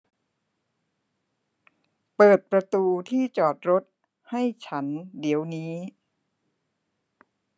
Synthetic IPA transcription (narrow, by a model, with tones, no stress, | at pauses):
pɤː˨˩t̪̚pɾa˧t̪uː˧t̪ʰiː˥˩t͡ɕɔː˨˩t̪̚ɾo˦˥t̪̚ | ha˥˩jt͡ɕʰa˦˥ndi˩˦əwniː˦˥